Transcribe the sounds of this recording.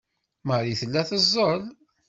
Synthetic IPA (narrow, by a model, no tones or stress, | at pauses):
məɾiθəlːæθəzˤːəl